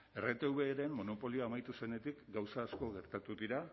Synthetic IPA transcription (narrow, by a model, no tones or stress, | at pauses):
e̞re̞t̪e̞uβe̞ːɾe̞mmːo̞no̞po̞lioaːmajt̪use̞ne̞t̪ikɡawsaːsko̞ɣe̞ɾt̪at̪uðiɾa